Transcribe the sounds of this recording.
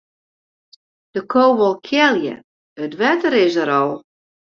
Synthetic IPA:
d̥əkʰoːʋolˠkʰjɛlˠjə̰ | ətʋɛtəɾɪs̬əɾɔlˠ

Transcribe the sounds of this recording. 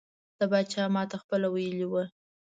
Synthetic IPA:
d̪̥əbɑt͡ʃɑmɑt̪axpəlawajəliwə

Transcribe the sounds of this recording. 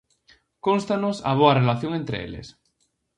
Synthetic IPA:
konst̪anosɐ̰β̞oarelaθjoŋent̪ɾḛḛlḛs

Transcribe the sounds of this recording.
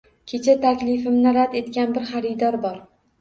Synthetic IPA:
kʲʰe̞t͡ʃʰat̪ʰakʲlɪfɪmnɪɾad̪e̞t̪̚kʲanbɪɾχaɾɪd̪ɒɾbɒɾ

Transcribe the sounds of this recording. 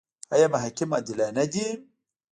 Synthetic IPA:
ajamaɦakimadilanad͡ʒi

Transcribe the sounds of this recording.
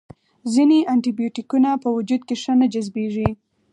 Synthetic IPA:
zineʔaɳʈibijoʈikunapəwʊd͡ʒud̪̚keʂənad͡ʒazbeʐi

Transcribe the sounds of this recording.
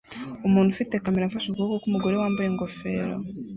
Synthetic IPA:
umuːnhufitekamiɾaɱfaʃukuukokumuɡoɾewaːmbujeŋɡofe̞ːɾo̰

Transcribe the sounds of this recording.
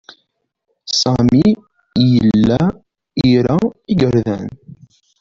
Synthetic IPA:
sɑmi | jəlːæ | iɾæiɡəɾðæ̰n

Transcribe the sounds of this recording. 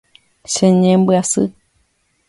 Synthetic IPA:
ʃẽɲẽmbɨasɨ

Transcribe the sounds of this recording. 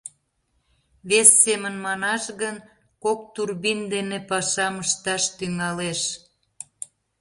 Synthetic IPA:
βesːemənmɑnɑʃɣən | kok̚t̪urbind̪enepɑʃɑməʃt̪ɑʃt̪yŋɑleʃ

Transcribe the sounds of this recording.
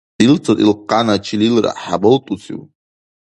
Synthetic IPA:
ilt͡sʰʼatʼḭlqanat͡ʃʰililra̰ħabɨltʼut͡sḭw

